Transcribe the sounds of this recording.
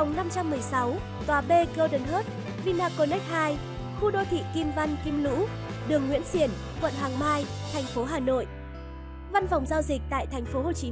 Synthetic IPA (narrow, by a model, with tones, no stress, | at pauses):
wŋ͡mna˧mt͡ɕa˧mːɨ˨˩əjsa˨˦w | t̪waː˨˩ɓe˧kəː˧wɗɨ˨˩nɦəː˦˥t̚ | vi˧naː˧ko˧nɛ˦˥k̚haː˧j | xu˧ɗo˧jt̪ʰḭ˧˨ki˧mva˧nki˧mlṵ˧˥ | ɗɨ˨˩əŋːwḭ˧˥ənsi˧˩ən | kwə̰˧˨nɦwaː˨˩ŋmaː˧jt̪ʰɛ˨˩jŋ̟fo˨˦ɦaː˨˩no̰˧˨j | va˧nfa˨˩wŋ͡mzaː˧wzï˨˩k̟̚t̪a̰ː˧˨jt̪ʰɛ˨˩jŋ̟fo˨˦ɦo˨˩t͡ɕi˨˦